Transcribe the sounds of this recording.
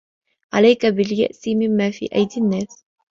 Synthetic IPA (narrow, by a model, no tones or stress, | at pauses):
ʕalajkabɪlja̰ʔsimɪmːaːfḭːʔa̰jd̪ɪnːaːs